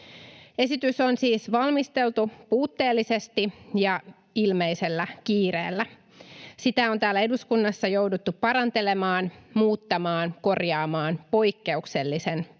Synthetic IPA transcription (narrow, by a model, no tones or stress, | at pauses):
e̞sit̪yso̞nsiːsʋɑlmist̪e̞lt̪upuːt̪ːe̞ːlːisest̪ijɑ | ilme̞ise̞lːækiːɾḛːlːæ | sit̪æo̞nt̪æːlːæe̞duskunːɑsːɑjo̞wdut̪ːuppɑɾɑnt̪e̞le̞mɑːnmuːt̪ːɑmɑːnko̞rjɑːmɑːnpo̞jkːe̞ukse̞lːise̞n